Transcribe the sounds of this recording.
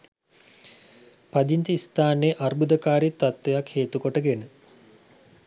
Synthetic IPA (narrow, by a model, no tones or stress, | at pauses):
pad̪int̪iist̪aːnejʔarbud̪əkaːɾit̪ːat̪ʋejakheːt̪ukoʈəɡenə